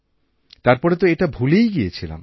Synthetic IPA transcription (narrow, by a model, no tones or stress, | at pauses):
t̪aɾpɔɾet̪oeʈabʱulejɡiet͡ɕʰila̰m